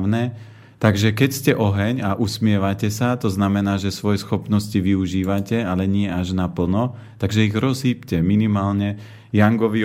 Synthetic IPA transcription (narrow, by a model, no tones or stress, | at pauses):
ʊnɛ | t̪aɡʒɛkɛcscɛʔɔɦɛɲaʔusmɪɛʋacɛsat̪ɔznamɛnaːʒɛsʋɔjɛsxɔpnɔsciʋiuʒiːʋacɛalɛɲɪɛaʒnapl̩nɔ | t̪aɡʒɛiɣɾɔzɦiːpcɛminimaːlɲɛ | jaŋɡɔʋi